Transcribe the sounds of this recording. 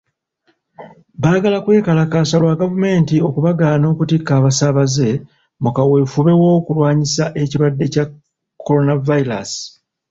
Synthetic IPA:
βaːɡalakwe̞ːkalakaːsalwaɡavume̞ːntio̞kuβaɡaːno̞ːkutikːaːβasaβaze̞ | mukawe̞fuβe̞wo̞ːkulwaːɲisaʔe̞ciɾwadːe̞ca | kʰːo̞ɾo̞navaiɾa̰si̥

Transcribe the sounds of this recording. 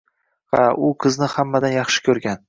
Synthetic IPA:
ha̰ʊqʰɨznɪhamːad̪anjɑχʃɪ̥kʲʰɵɾɡʲan

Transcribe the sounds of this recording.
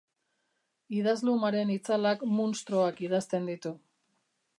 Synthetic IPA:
iðazlumaɾe̞nit͡salakmunst̪ɾoakið̞ast̪e̞nd̪it̪u

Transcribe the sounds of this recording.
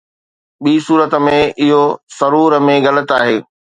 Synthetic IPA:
ɓiːsuːɾət̪ə̆mẽʔɪɦosɐɾuːɾəmẽɣɐlət̪aːɦeː

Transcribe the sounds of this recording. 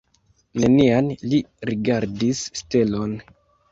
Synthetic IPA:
nenianliɾiɡaɾdisːte̞lo̞n

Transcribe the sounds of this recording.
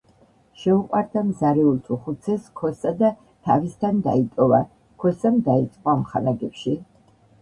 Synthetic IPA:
ʃɛuqʼwaɾd̪amzaɾɛult̪ʰuχut̪sʰɛskʰɔsad̪a | t̪ʰa̰vist̪ʰand̪a̰it̪ʼɔva | kʰwɛsand̪ait̪sʼqʼɔamχalaɡɛpʃi

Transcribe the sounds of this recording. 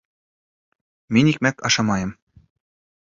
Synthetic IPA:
menʲik̚mækɑ̰ʃɑmɑjɤ̆m

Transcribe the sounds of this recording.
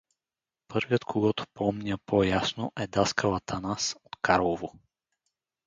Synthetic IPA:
pɤɾvjət̪kʰoɡɔt̪o̥pʰɔmnʲəpʰojasnoʔɛd̪askəvat̪ʰanasot̪kʰaɾlˠovo

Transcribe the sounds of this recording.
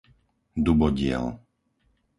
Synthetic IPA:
d̪ubɔɟɪɛ̰l

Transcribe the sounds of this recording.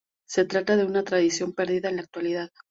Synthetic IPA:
se̞t̪ɾat̪aðe̞unat̪ɾaðisjo̞mpe̞ɾðiðaenlak̚t̪waliðað

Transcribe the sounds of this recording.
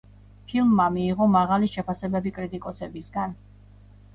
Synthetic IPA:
pʰilˠmːamiːʁɔmaʁaliʃɛpʰasɛbɛbikʼɾit̪ʼikʼɔsɛbisɡan

